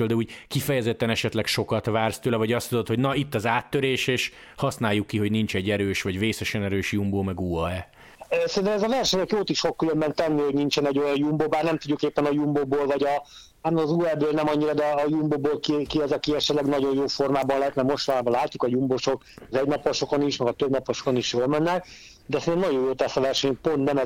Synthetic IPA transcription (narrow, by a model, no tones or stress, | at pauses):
øld̪ɛuːɟkifɛjɛzɛt̪ːɛnɛʃɛt̪lɛkʃo̞kɒt̪vaːrst̪øːlɛvɒɟɒst̪ud̪ot̪ho̞ɟnɒit̪ːɒzaːt̪ːøɾeːʃeːʃ | hɒsnaːjːukːiɦo̞ɟnint͡ʃɛɟːɛɾøːʃʋɒɟveːsɛʃɛnɛɾøːʃjumboːmɛɡuɒɛ | øsɛɾint̪ɛmɛzɒvɛrʃɛɲɛkjoːt̪iʃfo̞kːylømbɛnt̪ɛnːiho̞ɟnint͡ʃɛnɛɟo̞jɒnjumbobaːrnɛmt̪uɟːukeːpːɛnɒjumboboːlvɒɟɒ | anːzuːɛbøːlnɛmɒɲːiɾɒd̪ɛɒːjumboːboːlkikiɛzɒkiɛʃɛt̪lɛɡnɒɟo̞jjoːfo̞rmaːbɒnlɛɦɛt̪nɛmo̞ʃt̪ɒlaːbɒlaːcːukɒjumboʃo̞kɒzɛɟnɒpːɒʃo̞koniʃmɛɡɒt̪øbnɒpːoʃokoniʃjoːlmɛnːɛk̚ | d̪ɛsɛnɛmnɒɟo̞joːt̪ɛsɒvɛrʃɛɲpo̞nt̪nɛmɛ